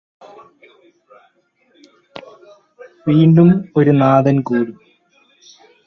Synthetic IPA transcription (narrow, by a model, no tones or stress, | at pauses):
ʋiːɳɖumoɾunaːðɐnkuːɽu